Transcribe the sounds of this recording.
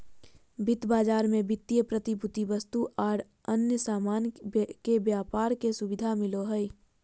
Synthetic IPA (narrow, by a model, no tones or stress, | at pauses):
bɪt̪baːd͡ʒaːɾmẽbɪt̪ːijəpɾət̪ibʱʊt̪ibəst̪uʔaːɾ | ənjəsaːmaːnkebjaːpaːɾkesʊbɪd̪ʱamɪloɦəi